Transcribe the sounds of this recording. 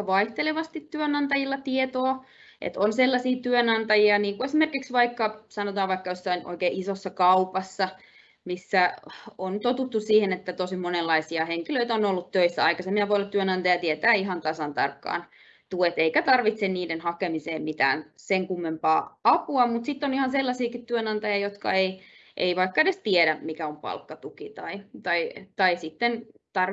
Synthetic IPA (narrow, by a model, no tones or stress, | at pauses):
ʋɑiht̪eleʋɑst̪it̪tyønɑnt̪ɑjilːɑt̪iet̪oː | ʔḛt̪onselːɑsiːt̪yønɑnt̪ɑjiɑniːŋkuesmerkiksʋɑikːɑsɑnot̪ɑːʋʋɑikːɑjosːɑinʔo̰ikeːʔisosːɑkɑupɑsːɑ | misːæonyt̪ot̪ut̪ːussiːhenet̪ːæt̪osimonelːɑisiɑheŋkiløit̪æonolːut̪t̪øisːæɑikɑsemːiɑʋoiolːɑt̪yønɑnt̪ɑjɑt̪iet̪æːiɦɑnt̪ɑsɑnt̪ɑ̰rkːɑ̰ːn | t̪uet̪eikæt̪ɑrʋit̪senniːdenhɑkemiseːmmit̪æ̰ːnseŋkumːempɑːɑpuɑmut̪sit̪ːonihɑnselːɑsiːkit̪tyønɑnt̪ɑjɑjot̪kɑ̰eiʔḛiʋɑikːɑedest̪ieɾæmikæompɑ̰lkːɑt̪ukit̪ɑit̪ɑit̪ɑisit̪ːent̪ɑr